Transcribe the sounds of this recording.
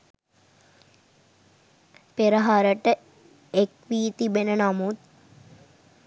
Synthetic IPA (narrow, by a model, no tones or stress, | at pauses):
peɾəɦaɾəʈə | ekʋiːt̪ibenənamut̪̚